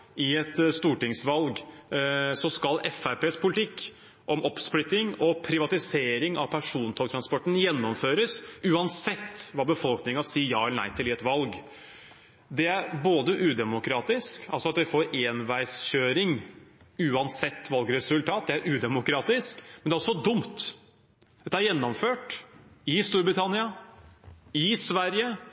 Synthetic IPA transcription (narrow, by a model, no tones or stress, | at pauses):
ʔɪɛt̪st̪uːʈɪŋsʋɑlɡ | sɔskɑlɛfæɾpeːspʰʊlɪt̪ʰɪkː | ʔɔmɔpːsplʏt̪ːɪŋɔpʰɾɪʋɑt̪ɪseːɾɪŋɑ̰ʋpʰæʂuːnt̪ʰɔl̚t̪ʰɾɑnspɔʈːənjɛnːɔmføːɾəsʉːɑnsɛt̪ːʋɑːbəfɔlknɪŋɑsiːəjɑːɛlənæ̰ɪt̪ʰɪlɪɛt̪ʋɑlɡ | d̪ɛæɾboːd̪əʔʉːd̪ɛmʊkɾɑːt̪ɪskɑ̰lsɔɑt̪ʋɪfoːɾeːnʋæɪsɕøːɾɪŋ | ʉːɑnsɛt̪ːʋɑlɡɾɛsʉlt̪ʰɑːt̪̚d̪ɛæɾʔʉːd̪ɛmʊkɾɑːt̪ɪskmɛnæɾɔsːɔd̪ʊmt̪ | d̪ɛt̪ːəæɾjɛnːɔmføːʈɪst̪uːɾbɾɪt̪ʰɑnɪɑ | ɪsʋæɾjə